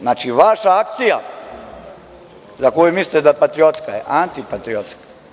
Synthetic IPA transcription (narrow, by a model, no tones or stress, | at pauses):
naːt͡ʃiʋaʃaak̚t̪sija | zakojumislit̪ed̪apat̪ɾiot̪skajḛʔant̪ipat̪ɾiot̪skḁ